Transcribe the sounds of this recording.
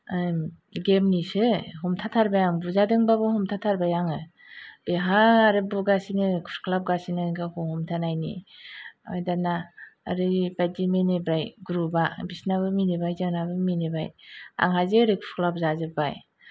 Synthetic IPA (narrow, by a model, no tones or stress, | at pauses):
ɡemnisɯɦɔmtʰatʰaɾbajaŋbuzadɯŋbabɯhɔmtʰatʰaɾbajaŋɯ | beɦaːɾɯbuɡasinɯkʰu̥skʰlap̚ɡasinɯɡɯhʰuhɔmtʰanajnḭ | ɔ̰jdana̰ːɾɯbajdimenibɾajɡuɾubabisnaβɯminibajzɯnabɯminibaja̰ŋɦazɯɾikʰu̥skʰlap̚zazɯbaj